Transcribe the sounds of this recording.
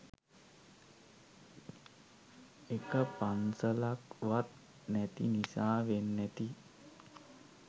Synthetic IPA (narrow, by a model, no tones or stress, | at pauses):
ekəpansəlakʋat̪̚ | næt̪ḭnisaːʋenːæt̪i